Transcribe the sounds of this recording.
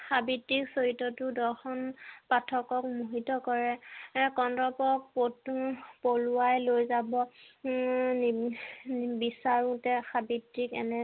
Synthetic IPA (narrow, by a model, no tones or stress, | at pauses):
xabitːiksoɹitːɔtʊdɔɹxɔnpatʰɔkɔk̚muɦitɔkɔɹɛkɔndɔpɔk̚potpoluajlojzabɔ | n | bisaɹũtɛxabitːikɛ̰nɛ